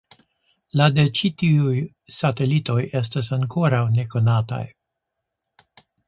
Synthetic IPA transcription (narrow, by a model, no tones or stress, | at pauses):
lade̞t͡ʃitiuj | sate̞lito̞je̞s̬tasaŋko̞ɾawne̞ko̞nata̰j